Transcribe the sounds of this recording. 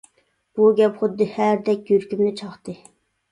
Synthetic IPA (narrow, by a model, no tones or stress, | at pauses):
b̥uɡʲɛpχʊd̪ːɨhæɾd̪ɛkʲjyɾkʲymnɪt͡ʃʰɑχt̪ɨ